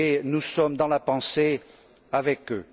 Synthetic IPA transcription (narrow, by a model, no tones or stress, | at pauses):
enusɔmd̪ɑ̃lapɑ̃se | avɛkø